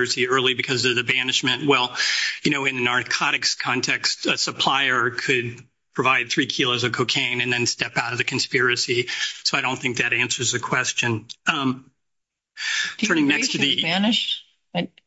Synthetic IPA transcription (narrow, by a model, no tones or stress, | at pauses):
ɹɨsiɜ˞lˠibɨkʰʌzʌvðɨbænɨʃmɨ̃nʔ̚wɛlˠjɨñoʊɨ̃nðɨnɑɹkʰɑɾɨkskʰɑ̃ntʰɛkstɨsəpʰl̥aɪə˞kʰɨd̚ | pʰɹ̥ɨvaɪd̪̚θɹikʰilˠoʊzʌvkʰoʊkʰẽɪ̃nɨ̃nðɨ̃nstɛpaʊɾʌvðɨkʰɨ̃n̩spɪɹɨsisoʊaɪɾõʊ̃nθɪ̃ŋk̚ðɨɾæ̃nsə˞zðɨkʰw̥ɛst͡ʃɨ̃n | tʰɜ̃˞ñɪ̃ŋnɛkstʰɨðɨænɨʃ